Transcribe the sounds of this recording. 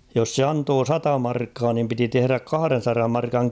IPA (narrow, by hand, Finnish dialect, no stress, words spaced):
jos se ɑntoː sɑtɑ mɑrkːɑː nim piti tehŭræk kɑhɑ̆ren̞sɑrɑm mɑrkɑŋ